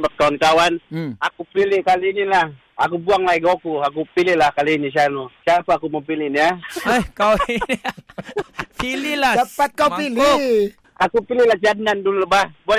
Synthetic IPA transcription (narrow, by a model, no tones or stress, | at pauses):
bat̪̚kawankawanakupilɪkalinilah | akubuaŋlaiɡokuak̬upilɪhlahkaliinis̬ianusiapaːkuməmpilɪʔniaahkawini | pililadapat̪̚kawpili | akupilɪhlahd͡ʒanandulubahbua